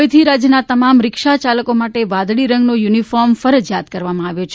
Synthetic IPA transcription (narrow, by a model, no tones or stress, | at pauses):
jt̪ʰiɾad͡ʒjənat̪əmamɾɪkʃat͡ʃaləkomaʈeʋãd̪ɽiɾə̃ŋɡnojunifɔɾmfəɾəd͡ʒjad̪kəɾʋamãaʋjot͡ʃʰ